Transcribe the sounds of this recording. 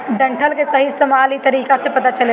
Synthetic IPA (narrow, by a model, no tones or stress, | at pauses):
ɖɐ̃ɳʈʰəlkesɐɦiɪst̪eːmaːlit̪ɐɾiːkasepɐt̪at͡ʃəle